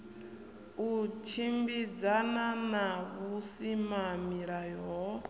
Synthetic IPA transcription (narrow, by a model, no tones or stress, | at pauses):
ut͡ʃʰimbid͡zananaβusimamiɺajɔ